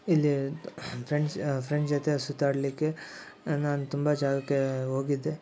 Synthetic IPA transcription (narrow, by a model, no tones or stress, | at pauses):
ilːipʰɾeɳspʰɾeɳʈd͡ʒɔt̪esut̪aːɽɐlikːe̞ | naːnut̪umbɐd͡ʒaːlɐkːeɦoːɡid̪ːe